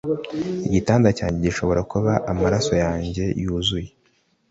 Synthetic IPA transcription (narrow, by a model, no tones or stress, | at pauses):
iɟitaːndacaːɲɟe̞ɟiʃo̞βo̞ɾakuβaʔamaɾaso̞jaːɲɟe̞juːzuje